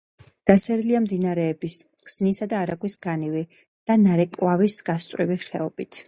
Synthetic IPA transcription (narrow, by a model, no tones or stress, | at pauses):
d̪̥asɛɾiliamd̪inaɾɛːbis | kz̥nisad̪aːɾaɡwisɡ̥anivi | d̪̥anaɾɛkʼwavisɡ̥ast̪sʼwiviχɛɔb̥it̪ʰ